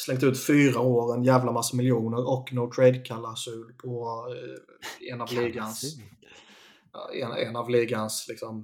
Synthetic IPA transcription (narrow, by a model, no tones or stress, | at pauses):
slɛŋkt̪ʉ̟ːt̪fyːɾaoːɾənjæːvlamasːəmɪljuːnəɾɔkːnot̪ʰɾɛjd̪kʰalːasʉ̟ːlpʰɔ | ɛnɑvliːɡans | ɛ̰nɛ̰navliːɡanslɪksɔm